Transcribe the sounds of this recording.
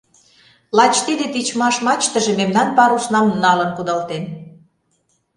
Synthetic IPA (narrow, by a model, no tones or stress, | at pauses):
lɑt͡ɕt̪id̪et̪it͡ɕmɑʃmɑt͡ɕt̪ə̆ʒĕmemnɑnpɑɾusnɑmnɑlə̆nkud̪ɑlt̪en